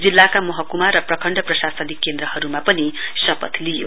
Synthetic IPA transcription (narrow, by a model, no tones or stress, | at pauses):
d͡zilːakamʌɦʌkumarːʌprʌkʰʌɳɖʌprʌsasʌnikːend̪rʌhʌɾumapʌnisʌpʌt̪lijo̰